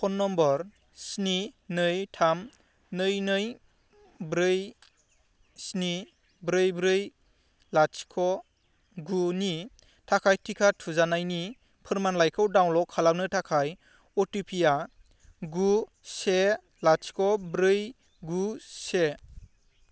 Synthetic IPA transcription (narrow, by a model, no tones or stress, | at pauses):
pʰɔnːɔmbɔɾ | sninɯjtʰam | nɯjnɯj | bɾɯj | sni | bɾɯjbɾɯj | laskʰɔ | ɡuni | tʰakʰajtʰikʰatʰuzanajni | pʰɯɾmanlajkʰɯwdawnlɔkʰalaw̚nɯtʰakʰaj | ɔtipʰija | ɡu | se | lat͡ʃkʰɔbɾɯj | ɡuse